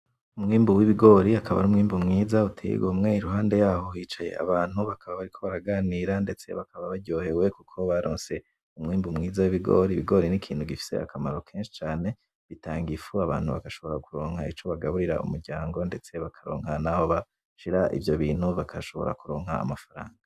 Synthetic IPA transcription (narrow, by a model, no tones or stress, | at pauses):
umŋiːmbuwiβiɡo̞ːɾiakʰaβa̰numŋiːmbumŋiːzautʰḛḭɡomŋeiɾuɦaːnde̞jaːho̞hiːt͡ʃaje̞̰a̰βaːn̥huβakʰaβaβaɾikʰo̞βaɾaɡaniːɾande̞t͡se̞̰βakaβaβaɟo̞ːhe̞we̞kukʰo̞βaɾoːnse̞ | umŋiːmbumŋiːzawiβiɡo̰ɾiβiɡo̞ɾinikʰiːnhuɡifi̥se̞̰a̰kamaɾo̞kʰeːnʃi̥t͡ʃaːne̞ | βitaːŋɡifuaβa̰ːn̥huβa̰kaʃo̞βo̞ɾakuɾo̞ːŋhait͡ʃo̞βaɡaβuɾiɾa̰ṵmuɾɟaːŋɡo̞nde̞t͡se̞βakʰaɾo̞̰ːŋhanaho̞βa | ʃiɾaʔḭvjo̞βiːn̥huβakʰaʃo̞βo̞̰ɾa̰kuɾo̞ːŋ̥ha̰ːmafaɾa̰ːŋɡa